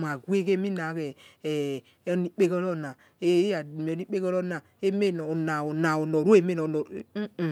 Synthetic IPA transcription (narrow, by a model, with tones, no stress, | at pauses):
m˨a˨ɡwe˦ke˦mi˦na˨˦ke˨˦ | ni˦k͡pe˦kɔ˦ɾo˦˨na˨ | e˦a˨m˨o˨ni˦k͡pe˦kɔ˦ɾo˦na˨e˦me˦no˨o˨na˨o˨na˨o˨no˨ɾo˦e˦˨˦me˦no˨no˨˦˨